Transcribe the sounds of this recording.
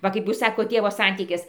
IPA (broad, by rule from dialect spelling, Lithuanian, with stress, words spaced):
ˈʋɐ kɐɪp ˈjuːs ˈsɑːkoːt ˈtʲeːʋoː ˈsɐnʲtʲiːkʲɪs